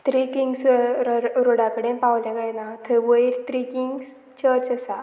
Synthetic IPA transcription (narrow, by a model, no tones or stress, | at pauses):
t̪ɾiːkiŋɡs | ɾoɽãkəɽẽpãwd͡ʑaɡajnat̪ʰəʋəiɾt̪ɾikiŋɡs | t͡ɕəɾt͡ɕəsa